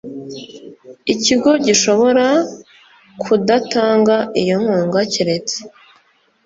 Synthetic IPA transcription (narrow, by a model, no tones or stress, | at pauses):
iciɡo̞ɟiʃo̞βo̞ɾa | kʰudataːŋɡaʔijo̞ŋ̥huːŋɡaciɾe̞t͡se̥